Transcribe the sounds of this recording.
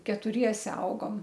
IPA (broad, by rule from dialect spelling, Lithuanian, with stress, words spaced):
kʲɛtʊˈrʲiɛsʲɛ ˈɐʊɡoːm